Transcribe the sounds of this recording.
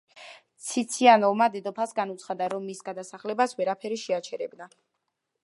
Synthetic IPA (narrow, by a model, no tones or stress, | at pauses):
t̪sʰit̪sʰianɔmad̪ɛd̪ɔpʰasɡanut̪sʰχad̪aɾɔmːisɡad̪asaχlɛbasvɛɾapʰɛɾiʃɛat͡ʃʰɛɾɛbna